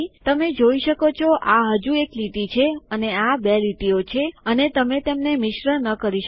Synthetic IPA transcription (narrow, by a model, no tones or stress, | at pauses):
t̪əmed͡ʒoiʃəkot͡ʃʰoʔaɦəd͡ʒuekliʈit͡ʃʰeəneabeliʈiot͡ʃʰeənet̪əmet̪emnemɪʃɾənəkəɾiʃə